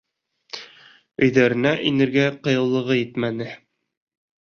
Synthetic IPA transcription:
ɵ̆jðæɾɘ̆næʔinɘ̆ɾɡæqɤ̆jɤ̆lˠːɤ̆ʁɤjɘt̪mænɘ

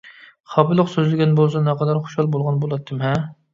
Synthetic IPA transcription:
χɑbɨlˠʊqsøzlɪɡʲɛnbolˠs̬ɑnɛqʰɑd̪ɑɾχo̥ʃhɑlˠbolˠʁɑnbolˠɑt̪ʰːɨmɦɛ

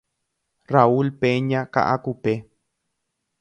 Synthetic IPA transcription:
raulpeɲãka̰ʔakupe

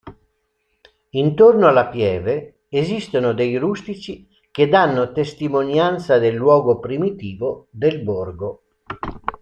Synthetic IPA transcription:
int̪ornoalapjɛːveː | zist̪onod̪ejɾust̪it͡ʃi | ked̪anːot̪est̪imonjant̪sad̪elːwɔːɡopɾimit̪iːvod̪elborɡo

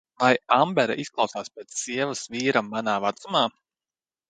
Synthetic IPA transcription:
vajambɛɾaʔisklˠɑwsaːspʲɛːt̪sːiɛvɨsviːɾamːanaːvat̪sumaː

